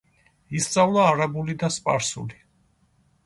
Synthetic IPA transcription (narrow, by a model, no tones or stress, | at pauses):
ist̪sʼavlˠaːɾabulid̪aspʼaɾsṵli